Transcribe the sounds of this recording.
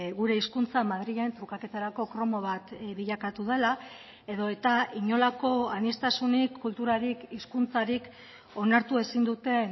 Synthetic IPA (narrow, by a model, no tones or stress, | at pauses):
ɣuɾe̞iskunt͡samaðɾiɣe̞nt̪ɾukake̞t̪aɾako̞kɾo̞mo̞β̞at̪βiʎakat̪uð̞e̞la | e̞ðo̞e̞t̪aiɲo̞lako̞anest̪asunikʰːult̪uɾaɾikiskunt͡saɾik | o̞naɾt̪ue̞sind̪ut̪e̞